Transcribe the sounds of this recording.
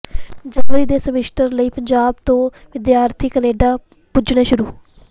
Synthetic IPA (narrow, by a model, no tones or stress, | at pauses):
d͡ʒənʋəɾiːd̪eːsəmɪʃʈəɾləiːpəɲd͡ʒaːb̚t̪õː | ʋɪd̪jaːɾt̪ʰiːkəneːɖaː | pʊd͡ʒnãːʃʊɾuː